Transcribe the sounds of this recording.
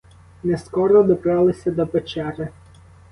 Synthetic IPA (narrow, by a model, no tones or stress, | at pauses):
nɛskɔɾɔd̪ɔpɾɑlˠɪsʲɐd̪ɔpet͡ʃɛɾɪ